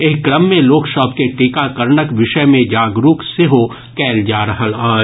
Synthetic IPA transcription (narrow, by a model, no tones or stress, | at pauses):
eɦkɾəmːẽloːkʃɔːb̚keʈikakɐɾɳəkʋɪʃəmẽd͡ʒaːɡɾuːkseɦo | kɛːld͡ʒaːɾɐɦəlaː